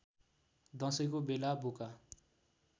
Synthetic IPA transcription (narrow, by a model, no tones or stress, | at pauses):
d̪ʌ̃sʌjkobelabuka